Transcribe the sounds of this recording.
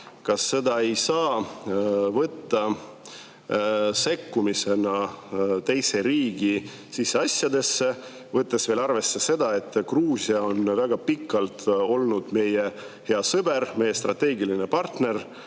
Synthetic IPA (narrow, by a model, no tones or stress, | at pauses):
kɑsːe̞d̪ɑe̞jsɑː | vɤt̪ːɑ | se̞kːumise̞nɑt̪e̞jse̞ɾiːɡ̥i | sisːe̞ɑsjɑd̪e̞sːe̞ | vɤt̪ˑːe̞sv̥e̞ːlɑrve̞sːe̞se̞d̪̥ɑe̞t̪ːˑkruːsiɑo̞nvæɡ̥ɑpikːˑɑlt̪o̞lnud̪̥me̞je | he̞ɑsɤbe̞ɾme̞je̞st̪rɑt̪ːˑe̞ːɡiline̞pɑrt̪ne̞r